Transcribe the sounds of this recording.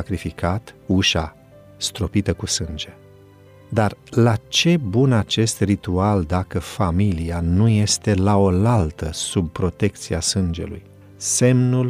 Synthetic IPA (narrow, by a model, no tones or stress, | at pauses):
akɾifikat̪uʃa | st̪ɾo̞pit̪əkusɨnd͡ʒe̞ | d̪arlat͡ʃe̞bunat͡ʃe̞st̪rit̪uald̪akəfamilianuje̞st̪e̞lao̞lalt̪əsub̚pɾo̞t̪e̞k̚t̪siasɨnd͡ʒe̞̰lṵj | se̞mnul